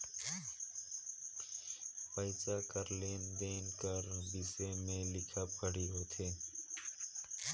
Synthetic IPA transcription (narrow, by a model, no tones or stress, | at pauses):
pəɪt͡ʃakəɾleːnd̪eːnkəɾbɪsemẽlɪkʰəp̚kəɽiɦoːt̪ʰeː